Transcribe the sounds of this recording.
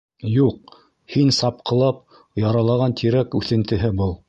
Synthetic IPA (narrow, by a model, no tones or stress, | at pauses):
juq̚ | hinsɑp̚qɤ̆lˠɑp̚ | jɑɾɑlˠɑʁɑnt̪ʰiɾækʉθɘ̆nt̪ɘ̆ɦɘbɤlˠ